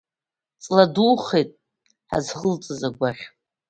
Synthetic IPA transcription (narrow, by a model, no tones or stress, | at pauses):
t͡sʼladuːχejtʼ | ħa̰zχəlt͡sʼɨzaɡʷaχʲ